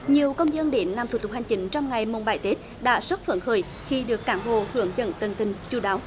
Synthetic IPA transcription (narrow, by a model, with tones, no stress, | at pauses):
ɲi˨˩əwkə˧wŋ͡mzə˧nɗe˧˦nːlaː˨˩mt̪ʰu˧˩t̪ʊ˨˩ha˨˩ŋ̟t͡ɕi˨˦ŋ̟t͡ɕɔ˧wŋ͡mŋa˨˩jmo˨˩n̚ɓaː˧˩jt̪e˦˥t̚ | ɗa̰ː˧˥swə˦˥t̚fə̰˧˩nxəː˧˩j | xi˧ɗɨ˨˩əkːaː˧˩nɓo̰˧˨hɨ˧˩əŋzə̰˧˨nt̪ə˨˩nt̪ï˨˩ŋ̟t͡ɕu˧˩ɗaː˨˦w